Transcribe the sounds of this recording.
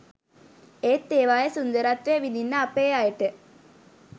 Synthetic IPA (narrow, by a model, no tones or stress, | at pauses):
eːt̪ːeːʋaːjɐsund̪ɐɾat̪ʋeːʋininːaːpːeːaːjiʈːɨ